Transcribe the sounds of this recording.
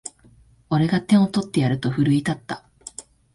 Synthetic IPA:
o̞ɾe̞ɡat̪ẽ̞ɰ̃o̞t̪o̞t̪ːe̞jaɾɯ̟t̪o̞ɸɯ̟ɾɯ̟it̪at̪ːa

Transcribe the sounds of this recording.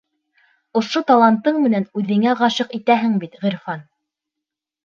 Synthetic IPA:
ŏʃot̪ɑlˠɑnt̪ːɤɴmɘ̆nænʉðɘ̆ŋæʁɑɕɤqit̪æɦɘŋbit̪ʁiɾfɑn

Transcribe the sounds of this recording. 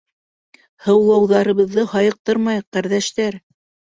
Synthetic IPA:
hɤ̆wlˠɑwðɑɾɤ̆βɤ̆ðːɤhɑjɤ̆q̚t̪ɤɾmɑjqæɾðæʃt̪æɾ

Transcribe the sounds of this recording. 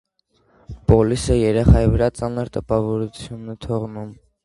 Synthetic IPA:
pɔlisəjɛɾɛχɑjivəɾɑt͡sɑnəɾt̪əpɑvɔɾut͡sʰjunːɛt̪ʰɔʁnum

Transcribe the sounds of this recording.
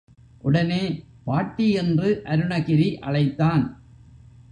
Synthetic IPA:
ʔʊɽɐneː | paːʈːiɛndrɯʔɐɾɯɳɐɣɪɾiʔɐ̰ɭɐɪt̪ːaːn

